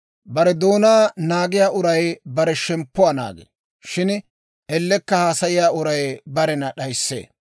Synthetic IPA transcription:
bɐɾɛd̪oːnaːnaːɡɪjaːʔʊɾɐjbɐɾɛʃɛmpːʊwaːna̰ːɡḛ | ʃɪn | ʔɛlːɛkːɐhaːsɐjɪjaːʔʊɾɐjbɐɾɛnɐɗɐjsːḛː

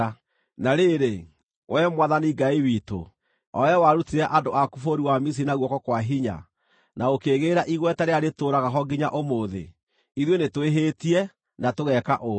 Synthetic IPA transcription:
naɾeɾe | wʔɛmwaðaniɡaiwito̰ | ɔ̰jawaɾutiɾɛaʔadoakufoɾiwamis̬inaɣwɔkɔkwaɦiɲa̰ | naokeɣeːɾaʔiɣwɛtɛɾeaɾetoːɾaɣaɦɔɡiɲaʔomoðḛ | iðwenetweɦeːtiɛ | natoɣɛkaʔo

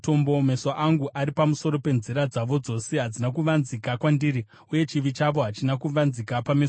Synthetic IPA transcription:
to̞mbome̞saʔaŋɡuʔaɾipamuso̞ɾo̞pe̞nziɾad͡zaʋo̞d͡zo̞se̞ɦad͡zinakuʋanzikakwandiɾi | uje̞t͡ʃiʋit͡ʃaʋo̞ɦat͡ʃinakuʋanzikapames

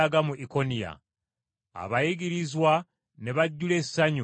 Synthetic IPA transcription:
aɡamuʔiko̞nija̰ | a̰βajiɡiɾizwa | ne̞βaɟːule̞ssaɲu

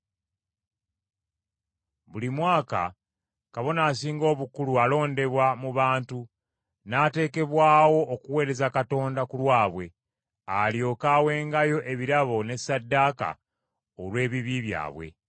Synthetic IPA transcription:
βulimwaːka̰ | kaβo̞naːsiːŋɡo̞ːβukulualo̞ːnde̞βwamuβaːntu | naːte̞ːke̞βwaːwo̞ʔːkuwe̞ːɾe̞zakato̞ːndakulwaːβwe̞ | aljo̞ːkaːwe̞ːŋɡajo̞ʔe̞βiɾaβo̞ne̞sadːaːka̰ | olwe̞ːβiβiβja̰ːβwe̞̰

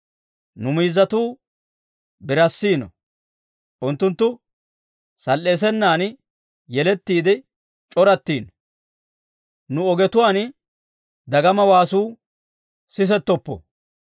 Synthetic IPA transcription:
nʊmiːzːɐt̪uː | bɪɾɐsːiːnɔ̰ | ʔʊnt̪ːʊnt̪ːʊ | sɐlːe̞ːs̬ɛnːaːn | jɛlɛt̪ːiːd̪ɪ | t͡ʃʼɔɾɐt̪ːiːn | nʊɔɡɛt̪ʊwaːn | d̪ɐɡɐmɐwaːsuː | sɪs̬ɛt̪ːɔpːɔ̰

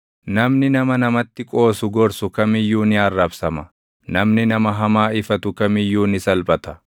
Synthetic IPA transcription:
nɐmnɪnɐmɐnɐmɐt̪ːɪkʼo̞ːsʊɡɔɾsʊkɐmɪjːuːnɪɐrːɐbsɐmɐ | nɐmnɪnɐmɐɦɐmaːɪfɐt̪ʊkɐmɪjːuːnɪsɐlbʼɐt̪ɐ̥

